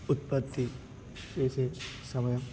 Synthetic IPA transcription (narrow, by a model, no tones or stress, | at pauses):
ut̪̚pɐt̪ːi | eːsesɐmɐjɐm